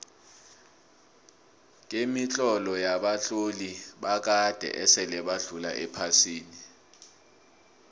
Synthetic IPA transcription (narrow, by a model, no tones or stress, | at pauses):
k̬ʼemit͡ɬʼɔlɔjaɓaɬʼoliɓak̬ad̥ʱɛ̰ʔɛsɛlɛɓaɮula̰ʔɛpʰasiːni